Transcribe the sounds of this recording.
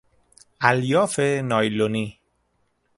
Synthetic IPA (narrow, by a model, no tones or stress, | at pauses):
ʔæljɒːfenɒːjloni